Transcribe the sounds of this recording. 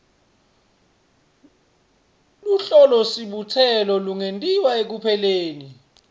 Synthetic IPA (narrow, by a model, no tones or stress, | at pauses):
luɬɔlɔsiɓutʰɛlɔluŋentʼiwaek̬upʰɛleːni